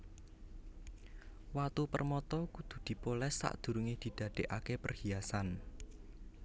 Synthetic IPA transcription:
wat̪upərmɔt̪ɔkud̪̥ṳd̪̥i̤polɛsːa̰ʔd̪̥ṳɾuŋed̪̥i̤d̪̥ä̤d̥eʔakepərhiasan

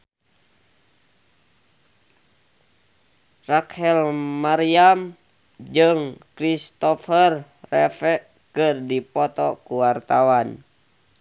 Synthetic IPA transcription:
rakhɛlmaɾiam | d͡ʒɨŋkɾist̪ɔfərː | ɛfɛ | kɨrdipɔt̪ɔkuwart̪awan

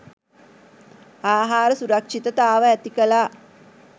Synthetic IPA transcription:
aːɦaːɾəsuɾɐkʂit̪ət̪aːʋəæt̪ikəlaː

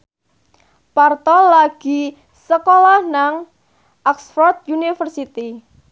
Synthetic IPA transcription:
part̪ɔlaɡ̥i | səkolahnaŋ | ʔaksfɔrt̪̚junifərsit̪i

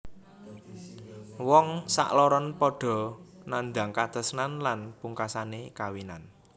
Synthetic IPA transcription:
wɔŋsa̰ʔlɔɾɔnpɔɖ̥ɔ̤nand̪a̤ŋkat̪ə̤snanlanpuŋkasanekawinan

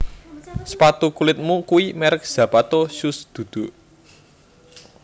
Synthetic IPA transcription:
spat̪ukulɪt̪̚mukuwimɛɾək̚z̥ä̤pat̪osusd̪̥ṳd̪̥ṳʔ

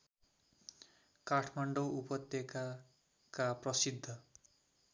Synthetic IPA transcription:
kaʈʰmaɳɖowupʌt̪jʌka | kaprʌsid̪ʱːʌ

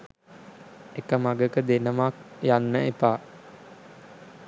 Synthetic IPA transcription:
ekəmaɡəkəd̪enəmakjanːəepaː

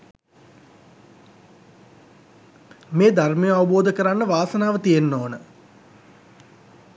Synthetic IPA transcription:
meːd̪ʱarmejəaʋuboːd̪əkəɾanːəʋaːsənaːʋət̪ijenːoːnə

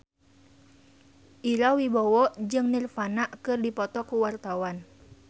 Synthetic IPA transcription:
ʔilawibɔwɔd͡ʒɨŋnirfanaʔkɨrdipɔt̪ɔkuwart̪awan

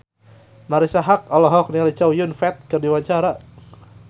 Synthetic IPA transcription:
maɾisaɦak̚ɔlɔɦɔk̚nialit͡ʃawjʊnfɛt̪̚kɨrdiwaɲt͡ʃaɾa

